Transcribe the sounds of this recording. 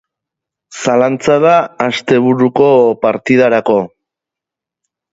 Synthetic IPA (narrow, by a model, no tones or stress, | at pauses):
salant͡sað̞aːst̪e̞β̞uɾuko̞paɾt̪iðaɾako̞